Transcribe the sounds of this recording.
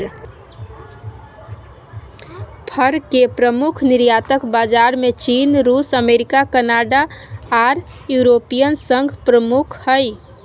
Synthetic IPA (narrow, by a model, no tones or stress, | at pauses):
pʰəɾkepɾəmukʰniɾjat̪əkbad͡ʒaɾmet͡ʃinɾusəmeɾikakənaɖaː | ɾ | juɾopijənsə̃ŋɡʱpɾəmukʰhəj